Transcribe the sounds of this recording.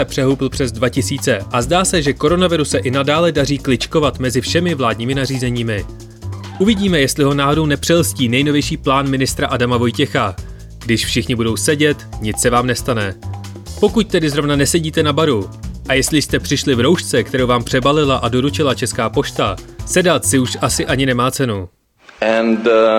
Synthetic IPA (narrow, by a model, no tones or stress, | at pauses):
ɛpr̥ɛɦuːpl̩pr̝̥ɛzdvacɪsiːt͡sɛʔazdaːsɛʒɛko̞ɾo̞navɪɾusɛʔɪnadaːlɛdariːklɪt͡ʃko̞vat̪mɛzɪfʃɛmɪvlaːdɲiːmɪnariːzɛɲiːmɪ | ʔuvɪɟiːmɛjɛst̪lɪɦo̞naːɦodo̞wnɛpr̥ɛlsciːnɛjno̞vjɛjʃiːplaːnmɪnɪst̪ɾaʔadamavo̞jcɛxa | ɡdɪʃfʃɪxɲɪbudo̞wsɛɟɛt̪ɲɪt͡ssɛvaːmnɛst̪anɛ | po̞kuc̚t̪ɛdɪzɾo̞vnanɛsɛɟiːt̪ɛnabaɾuʔajɛst̪lɪst̪ɛpr̥ɪʃlɪvɾo̞wʃt͡sɛkt̪ɛɾowvaːmpr̥ɛbalɪlaʔado̞ɾut͡ʃɪlat͡ʃɛskaːpo̞ʃt̪asɛdat̪sɪuʃʔasɪʔaɲɪnɛmaːt͡sɛnu | ɛn